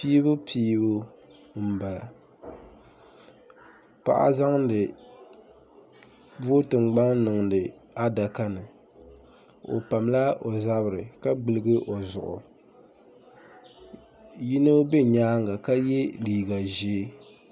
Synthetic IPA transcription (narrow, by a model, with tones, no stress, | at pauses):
piː˦bʊ˦pʰiː˦bʊ˦ | m̩˦ba˨la̰˨ | pa̰˨ʔa̰˦za˦ŋ˦dɨ˨ | bu˦o˦tɨ˨ŋ͡mɡ͡ba˦ŋnɨ˨ŋ˨dɨ˨a˦da˨ka˦nɨ˨ | o̰˨pa˨mla˦o˨za˦bɾɨ˨ka˦ɡ͡bɨ˨lɨ˦ɡɨ˦ʔo˨zʊ˨ʔʊ̰˨ | ji˦no˦be˦ɲaː˦ŋɡa˨ka˦jɛ˦liː˨ɡa˨ʒe˦